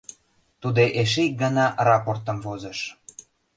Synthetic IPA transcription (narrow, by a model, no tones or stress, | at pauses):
t̪ud̪eʔeʃ̬eik̚ɡɑnɑʔrɑport̪ə̆mvozə̆ʃ